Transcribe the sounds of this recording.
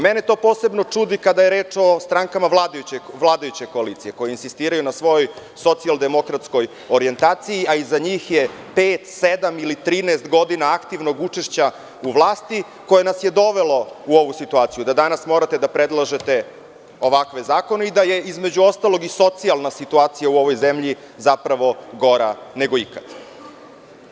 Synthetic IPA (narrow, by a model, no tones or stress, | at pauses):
menet̪o̞ːpoːsebno̞t͡ʂud̪ikad̪ajeɾeːt͡ʂo̞st̪ɾaŋkamaʋlˠaːd̪ajut͡ɕeʋlˠaːd̪ajut͡ɕeko̞aliːt̪sijeko̞jeinsist̪iːɾajunasʋo̞jo̞j | so̞t̪siald̪e̞mo̞kɾat̪sko̞j | oɾie̞nt̪aːt̪sijiaizaɲiːxje | peːt̪sed̪amilit̪ɾiːneːst̪ɡo̞d̪inaakt̪iʋno̞ɡut͡ʂeʃt͡ɕa | uʋlˠaːst̪i | ko̞jenasje̞d̪o̞ʋe̞lo̞uo̞ʋusit̪uaːt̪sijud̪ad̪anasmo̞ɾat̪e̞d̪apɾed̪lˠaʒe̞t̪e̞ | o̞ʋakʋe̞zaːko̞neid̪aje̞izme̞d͡ʑuo̞st̪alˠo̞ɡiso̞t̪sialˠnasit̪uaːt̪sijauo̞ʋo̞jzemʎi | zapɾaʋo̞ɡo̞ɾane̞ɡo̞ikad̪̥